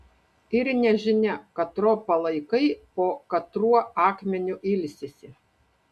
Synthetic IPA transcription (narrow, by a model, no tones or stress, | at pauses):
ɪɾnʲɛʒʲɪnʲɛkɐt̪ɾoːpɐlˠɐɪkɐɪpoːkɐt̪ɾuɔɑːkmʲɛnʲʊʔɪlʲsʲɪsʲɪ